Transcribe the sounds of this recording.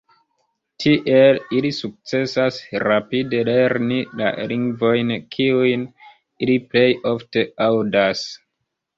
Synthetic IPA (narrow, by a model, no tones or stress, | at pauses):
tʰiʔe̞lilisuk̚t͡se̞sasɾapide̞le̞ɾnila̰liŋɡvo̞jnkʰiujn | iliple̞jo̞fte̞awdas